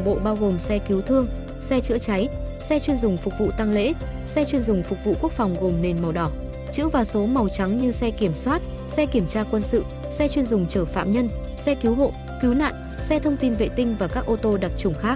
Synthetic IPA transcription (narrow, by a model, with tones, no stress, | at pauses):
ɓo̰˧˨ɓaː˧wɣo˨˩msɛ˧ki˨˦wt̪ʰɨ˧əŋ | sɛ˧t͡ɕɨ̰˧˥ət͡ɕa˨˦j | sɛ˧t͡ɕwi˧ənzʊ˨˩ŋ͡mfʊ˨˩k͡p̚vṵ˧˨t̪a˧ŋlḛ˧˥ | sɛ˧t͡ɕwi˧ənzʊ˨˩ŋ͡mfʊ˨˩k͡p̚vṵ˧˨ku˦˥ək̚fa˨˩wŋ͡mɣo˨˩mne˨˩nma˨˩wɗɔ˧˩ | t͡ɕɨ̰˧˥əvaː˨˩so˨˦ma˨˩wt͡ɕa˨˦ŋɲɨ˧sɛ˧ki˧˩əmswaː˦˥t̚ | sɛ˧ki˧˩əmt͡ɕaː˧kwə˧nsɨ̰˧˨ | sɛ˧t͡ɕwi˧ənzʊ˨˩ŋ͡mt͡ɕəː˧˩fa̰ː˧˨mɲə˧n | sɛ˧ki˨˦wɦo̰˧˨ | ki˨˦wna̰ː˧˨n | sɛ˧t̪ʰə˧wŋ͡mt̪i˧nvḛ˧˨t̪ï˧ŋ̟vaː˨˩kaː˦˥k̚ʔo˧t̪o˧ɗa˨˩t̚t͡ɕʊ˨˧˩ŋ͡mxaː˦˥k̚